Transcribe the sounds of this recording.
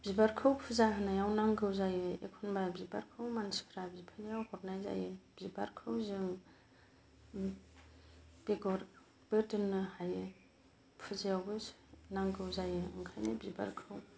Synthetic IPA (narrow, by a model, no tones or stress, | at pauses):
b̥zibaɾkʰɯwpʰɯzaɦanajawnaŋɡɯwzajɯḛkʰunbabiba̰ɾkʰɯwmansi̥kʰɾabzipʰanajawhɔt̚najza̰jɯbziba̰ɾkʰɯwzɯŋ | b̥eɡɔɾ | b̥eɾtɯnːɯhajɯ | pʰɯzajawbɯ | naŋɡɯwzajɯɯ̰ŋkʰa̰jnɯbziba̰ɾkʰɯw